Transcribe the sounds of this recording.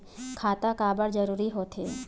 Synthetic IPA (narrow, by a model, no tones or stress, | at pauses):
kʰaːt̪akaːbəɾd͡ʒəɾuːɾiɦot̪ɦeː